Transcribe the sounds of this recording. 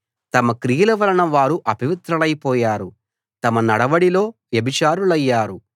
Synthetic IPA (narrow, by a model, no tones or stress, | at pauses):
t̪ɐmɐkɾijɐlɐʋɐɾɐɳɐʋaːɾuʔɐbiʋit̪ɾɐlɐjpɔːjaːɾu | t̪ɐmɐnɐɽɐʋɐɽilo̞ːʋjɐbit͡ʃaːɾulɐjːaːɾu